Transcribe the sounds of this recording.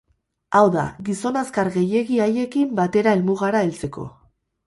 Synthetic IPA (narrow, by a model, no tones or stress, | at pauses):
awða̰ɣiso̞naskaɾɣe̞je̞ɣiaje̞kimbat̪e̞ɾae̞lmuɣ̞aɾaelt͡se̞ko̞̰